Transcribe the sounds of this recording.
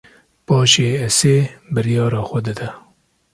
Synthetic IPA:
pɑːʃeːɛseːbɨɾjɑːɾɑːxʷɐd̪ɨd̪ɛ

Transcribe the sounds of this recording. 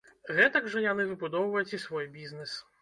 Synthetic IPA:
ɣɛt̪ɐɡʐɐjanɨvɨbud̪ɔwvɐjut͡sʲisvɔjbʲiznɛs

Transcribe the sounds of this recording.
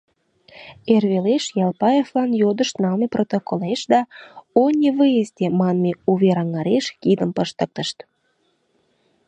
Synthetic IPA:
erβeleʃjɑlˠpɑeflɑnjod̪əʃt̪nɑlmeprot̪okoleʃd̪ɑonʲeβɨjezt̪emɑnmeuβeɾɑŋɑɾeʃkid̪əmpəʃt̪ə̆k̚t̪əʃt̪

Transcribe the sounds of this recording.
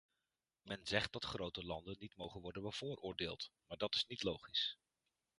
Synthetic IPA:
mɛnzɛχt̚dɑtχrowtəlɑndənːitmowχənʋɔɹdənbəv̥ʊːɹʔʊːɹdeːlˠtmaːɹdɑtɪ̥snitlowχis

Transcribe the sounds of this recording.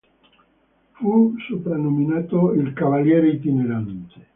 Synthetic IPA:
fusopɾanominaːt̪oilkavaljɛːɾeit̪ineɾant̪e̥

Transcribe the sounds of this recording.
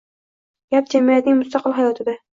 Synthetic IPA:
jap̚d͡ʒamijat̪nɪŋmʊst̪ɑqʰɨlɦajɒt̪ʰɪd̪a

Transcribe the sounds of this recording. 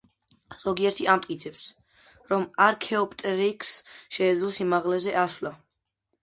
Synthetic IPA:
z̥ɔɡiɛɾt̪ʰiamt̪ʼkʼit̪sʰɛps | ɾɔmaɾkʰɛɔpʼt̪ʼɾikʰsʃɛːd̪zlɔsimaʁlɛzɛʔasla

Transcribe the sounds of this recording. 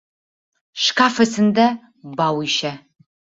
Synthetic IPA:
ʃkʰaːfɐsɨnd̪ɐ | baːwiʃɐ

